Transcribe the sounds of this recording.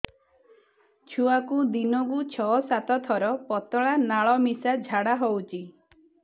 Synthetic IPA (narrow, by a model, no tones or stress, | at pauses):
t͡ʃʰuakud̪inɔkut͡ʃʰɔsat̪ɔt̪ʰɔɾɔpɔt̪ɔɭanaɭɔmisad͡ʒʱaɽaɦowt͡ʃʰi